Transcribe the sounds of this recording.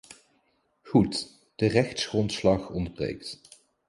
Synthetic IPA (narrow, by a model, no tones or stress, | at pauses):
χut | d̥ərɛxtsχrɔntslɑχɔndəbrḛjkt